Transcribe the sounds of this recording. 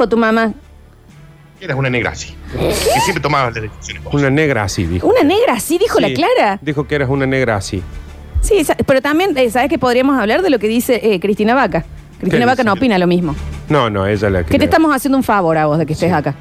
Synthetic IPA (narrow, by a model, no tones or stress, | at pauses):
ot̪umama | eɾasunaneɣɾa̰si̥keesjempɾet̪omaβalahðesisjonekounaneɣɾaa̰sḭðḭxunaneɣɾaːsiðixolaklaɾad̪ixokeeɾasunaneɣɾaasḭ | sisapeɾot̪ambje̞nesaβe̞hkepoðɾiɐamosaβlaɾðelokeðiseʔekɾit̪inaβaka | kɾit̪inaβakanopinalomizmononõ̰eʒala̰kket̪et̪amosasjend̪ouɱfaβo̞ɾaβo̞zðekeht̪esaka